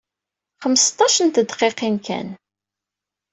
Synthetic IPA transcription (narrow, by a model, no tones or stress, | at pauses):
χəmːst̪ˤːɑʃənt̪əd̪qeqinkæ̰n